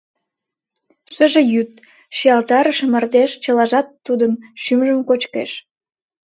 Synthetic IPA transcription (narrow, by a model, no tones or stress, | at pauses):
ʃəʒejyt̪̚ | ʃijɑlt̪ɑɾəʃəmərt̪eʃt͡ɕəlɑʒɑt̪ːud̪ənʃymʒəmkot͡ɕkḛʃ